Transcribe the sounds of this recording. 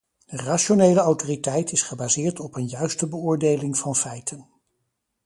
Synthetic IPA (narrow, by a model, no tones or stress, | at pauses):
dəraːʃonejləɔwtoritɛjtɪsχəbaːzɪːɹtɔpənjœɥstəbəʊːɹdejlɪŋvɑnfɛjtʰən